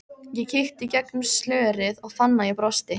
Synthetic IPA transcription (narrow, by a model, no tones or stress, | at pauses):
jɛcʰɪxt̪icɛknʏslœːɾɪðɔɣfanːaipɾɔst̪ɪ